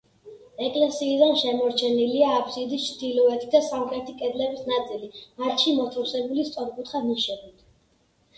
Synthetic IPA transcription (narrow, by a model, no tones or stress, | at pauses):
ɛkʼlɛsiːd̪anʃɛmɔɾt͡ʃʰɛniliaːpʰsid̪ist͡ʃʰd̪̥ilɔɛt̪ʰid̪asamχɛt̪ʰikʼɛd̪lɛbisnat̪sʼilimat̪ʃimɔt̪ʰɾusɛbulist̪sʼɔɾkʼut̪ʰχaniʃɛbit̪ʰ